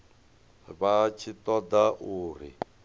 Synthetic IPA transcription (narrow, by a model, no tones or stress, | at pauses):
βat͡ʃʰit̪ɔd̪aʔuːɾ̤ḭ